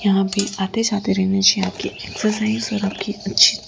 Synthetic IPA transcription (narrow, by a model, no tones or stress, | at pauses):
jɐɦãbʱiaːt̪et͡ʃaːt̪eɾɛɦnet͡ʃiaːp̚kieːksəɾs̬aːɪzɔːɾaːp̚kiɐtːʃʰi̥